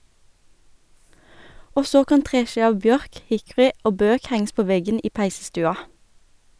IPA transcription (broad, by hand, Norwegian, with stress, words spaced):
ˈoː ˈsoː ˈkɑn ˈtʁeːˌʃiː ˈɑʋ ˈbjœʁk ˈhɪkʊʁɪ ˈoː ˈbøːk ˈhæŋ̍s ˈpoː ˈʋɛɡən ˈiː ˈpæɪsəˌstʉːɑ